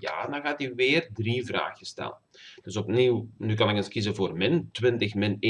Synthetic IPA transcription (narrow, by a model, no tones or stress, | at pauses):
ja̰ːdɑnɣaːtyʋɪːrdrivra̰ːɣəstɛ̰lənd̥ɵsɔp̚niːwnykɑnɪkənskizəvoːrmɪntʋɪntəxmɪn